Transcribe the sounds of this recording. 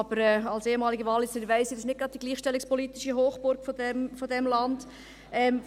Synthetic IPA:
b̥əɾɛːɑlseːəmɑːliɡəvɑlːɪsɪdʋæɪsɪdɪʃnɪt̚ɡ̥ɾɑtd̚d̥iɡliːχʃtɛlːɪkspɔlit̪iʃəɦoːχbʊɾkfɔdɛmfɔdɛmlɑnd̥ | ɛm

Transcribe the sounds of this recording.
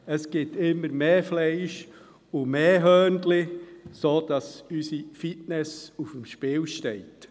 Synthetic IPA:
əsɡ̥ɪtɪmːəɾmeːflɛɪʃ | ʊmeːɦœːndlɪsoːd̥ɑsysifitnɛsufəmʃpɪːlʃteɪt

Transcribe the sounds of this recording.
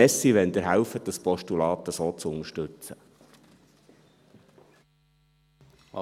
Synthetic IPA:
ɛsiʋɛnd̪əɾɦæwfəd̥ɑspɔʃtulɑːt̪əsoːt͡sʊnəʃtɵt͡sə

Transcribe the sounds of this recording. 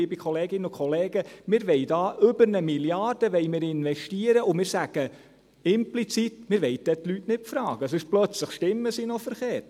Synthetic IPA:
iːbikʰχɔleːɡɪnəʊkʰχɔleːɡ̥əmɪːɾʋɛɪdɑːʔʏbəɾnəmiljɑːɾd̥əʋɛɪmɪːɾɪnʋɛʃtiːəɾəʔʊmɪːɾsæɡ̥ə | ɪmplit͡sit̪mɪɾʋɛɪd̪ɛt̪lytnɪtfɾɑːɡ̥əsɪʃplœt͡sləχʃtɪmːəsinɔfəɾχeːɾt

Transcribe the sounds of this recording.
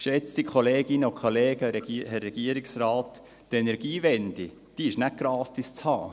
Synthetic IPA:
ʃɛt͡stikʰχoleːɡɪnəokʰoleːɡəɛɡihɛrːɛɡ̥iəɾiksrɑːt̪ː | ɛnɛɾɡ̥iːvɛnd̥̪i | d̥iɪʃnæk̚ɡ̥ɾɑːt̪ist͡shɑː

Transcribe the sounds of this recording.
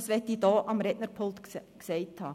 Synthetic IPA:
sʋɛtːidɑːʔɑmɾɛtnəɾpʰolt̪ksɛɪthɑː

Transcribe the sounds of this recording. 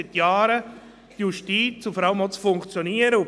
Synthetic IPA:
ɪtjaːɾə | tjuʃtiːt͡sufɔɾaləmɔlt͡sfʊŋkt͡sjoniːəɾəu

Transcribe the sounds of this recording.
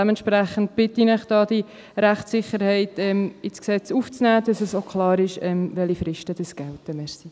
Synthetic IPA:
ɛməntʃpɾæχən̩t̚b̥ɪt̪inəχd̥ɑːd̥̪i | ɾæχtsɪχːəɾhɛɪtɛmɪsksɛt͡suft͡snæːd̥̪ɑsəsokʰχlɑːɾɪʃɛmʋɛlifɾɪʃtəd̥əsɡ̥ɛltəmɛɾsi

